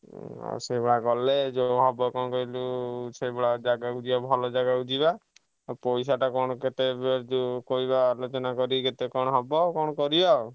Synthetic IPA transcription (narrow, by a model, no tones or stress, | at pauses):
a̰sebeɽaɡɔled͡ʒoɦɔbɔkɔnɔkɔilusebeɽad͡ʒaɡakud͡ʒiɔbʱɔlɔd͡ʒaɡakud͡ʒiba | pɔjs̬aʈakɔɽ̃ɔket̪ebeɾd͡ʒokɔibalot͡ʃɔnakɔɾiket̪ekɔɽ̃ɔɦɔbɔkɔɽ̃ɔkɔɾiɔ